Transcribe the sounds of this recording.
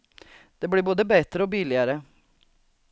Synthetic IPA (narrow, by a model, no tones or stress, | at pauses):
d̪̥eːbɽiːboːd̪əbeːt̪ɾəoːbiːlɪəɾə